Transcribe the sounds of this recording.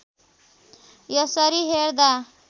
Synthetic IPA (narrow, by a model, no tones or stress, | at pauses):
jʌsʌɾiɦeɾd̪a